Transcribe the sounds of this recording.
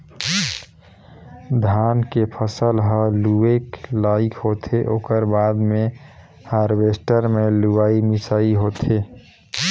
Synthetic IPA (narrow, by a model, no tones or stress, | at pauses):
d̪ʱankepʰəsəlɦəlueklaɪkɦot̪ʰeʔoːkəɾbaːd̪me | haɾbesʈəɾmeluaːimɪsaːiɦot̪ʰe